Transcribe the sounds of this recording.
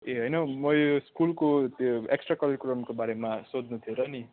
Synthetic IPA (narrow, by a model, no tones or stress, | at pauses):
eɦʌjnʌmʌjoskulkot̪joeksʈrakʌleɾikuɾʌmkobaɾemasod̪nut̪ʰioɾʌni